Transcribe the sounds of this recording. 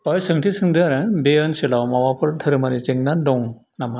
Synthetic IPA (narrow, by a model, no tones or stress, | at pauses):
paɾsɯŋtʰisɯŋdɯaɾabeɯnsilawmawapʰɯɾd̪ʰɯɾɯmaɾit͡ʃeŋnadɔŋ | nama